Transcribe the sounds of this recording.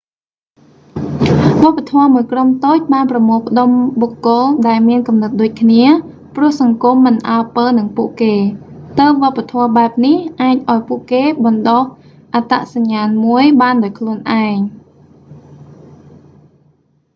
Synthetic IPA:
ʋoəpːat̪ʰɔəmuəjkromt̪oːc̚ɓaːnprɑmoːlpə̆ɗomɓokːʊlɗaɛlmiənkɑmnɨt̪̚ɗoːc̚kʰniə | prʊ̆əhsɑŋkumːɨnʔaəpəːnɨŋpuəʔkeːt̪əːʋŏəpːat̪ʰɔəɓaɛp̚nihʔaːc̚ʔaɔjpuəʔkeːɓɑnɗoh | ʔat̪a̰ʔsaɲːaːnmuəjɓaːnɗaɔːjkʰluənʔaɛŋ

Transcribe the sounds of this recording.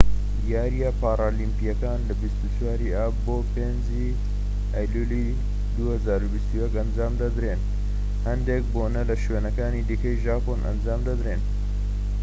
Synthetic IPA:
jaːɾijapaːɾaːlimpijɐkaːnlɐbist̪ut͡ʃwaːɾiʔaːboːpeːnzi | aːjluli | d̪uhɐzaːɾubist̪ujɐkɐnd͡ʒaːmd̪ɐd̪ɾeːn | hɐnd̪ek̚boːnɐlɐʃweːnɐkaːniːd̪iːkɐjʒaːponʔɐ̰nd͡ʒaːmd̪ɐd̪ɾeːn

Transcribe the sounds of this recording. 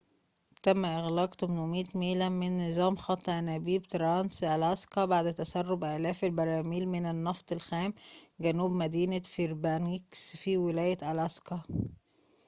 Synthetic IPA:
t̪æmːæʔɪɣlɑːqt̪omnomiːt̪meːlæmɪnːɨzˤɑːmxɑt̪ˤːʔænæbiːbt̪ɾɑnsʔælɑskɑbaʕd̪t̪æsærːobʔæːlæːfelbɑɾˤɑːmiːlmɪnɪnːɑft̪ˤelxæːmɡænuːbmæd̪iːnæfiɾbæniksfiwɪlæːjæt̪ʔælæskɑ

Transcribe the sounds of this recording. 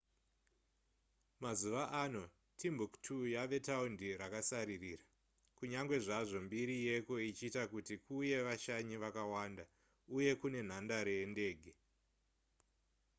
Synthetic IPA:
mazuʋaʔano̞ | tʰimbuktʰujaʋe̞taundiɾakasaɾiriːra | kuɲaŋɡwe̞ʐaʐo̞mbiɾije̞ko̞it͡ʃiːtakutikuje̞ʋaʃaɲiʋakawanda | uje̞kune̞n̤andaɾende̞ːɡʱe

